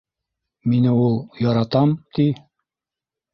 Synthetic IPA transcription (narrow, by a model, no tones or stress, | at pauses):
minɘulˠjɒɾɑt̪ɑmt̪i